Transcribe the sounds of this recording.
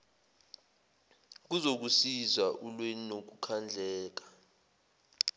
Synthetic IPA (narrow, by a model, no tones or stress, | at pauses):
k̬uzok̬usizwaʔulwɛnok̬ukʰand͡ɮʱɛːk̬ḁ